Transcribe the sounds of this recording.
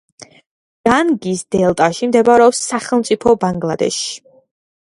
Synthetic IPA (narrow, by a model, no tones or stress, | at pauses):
ɡ̥anɡisd̪ɛlˠt̪ʼaʃimd̪ɛbaɾɛɔpsːaχɛlˠmt̪sʼipʰɔbaŋɡlˠad̪ɛ̰ʃi̥